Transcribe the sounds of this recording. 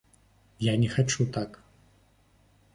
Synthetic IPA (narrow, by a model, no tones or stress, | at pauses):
janʲɛxat͡ʂut̪ak